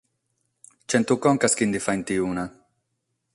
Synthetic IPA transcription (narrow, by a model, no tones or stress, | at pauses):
t͡ʃɛnt̪ukɔŋkaskind̪ifaint̪iuːna